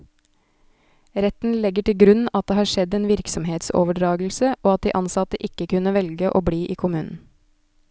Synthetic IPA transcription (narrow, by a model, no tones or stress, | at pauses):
ɾɛt̪n̩lɛɡəʈɪlɡɾʉnɑt̪̚d̪eːhɑːʃɛd̪eːnʋɪɾksɔmheːt̪so̰ːʋəɖɾɑːɡl̩səʔoːɑt̪̚d̪iːʔɑnsɑt̪əʔɪkəkʉnəʋɛlɡəʔoːbɽiːʔiːkʰʊmʉːnn̩